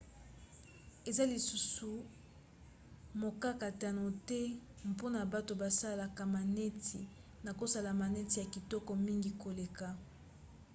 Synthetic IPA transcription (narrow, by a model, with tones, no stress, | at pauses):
e˨za˦li˨su˦su˨ | mo˨ka˦ka˨ta˨no˨tɛ˦ | m˨po˦na˨ba˦to˨ba˨sa˦la˨ka˨ma˨nɛ˦tʰi˨ | na˨ko˦sa˦la˨ma˨nɛ˦ti˨ja˨ki˨tɔ˦kɔ˨mi˦ŋɡi˨ko˨le˨ka˨